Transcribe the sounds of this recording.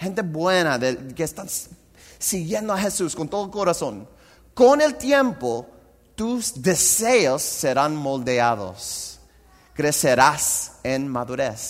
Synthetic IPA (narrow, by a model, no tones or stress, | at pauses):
he̞nt̪e̞βwe̞naðekest̪ans | siɣjẽ̞nd̪oaxe̞suskont̪o̞ðoko̞ɾasõ̞n | kone̞lt̪je̞mpo | t̪uzðe̞seosːe̞ɾanmold̪eaðo̰s | kɾe̞seɾasenmaðuɾes